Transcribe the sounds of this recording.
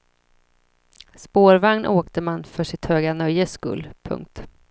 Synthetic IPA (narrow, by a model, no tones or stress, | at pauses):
spoːɾvaŋnʔoːkt̪əmanːfœʂɪt̪høːɡanœjːəskɵ̰lːpʰɵ̰ŋk̚t̪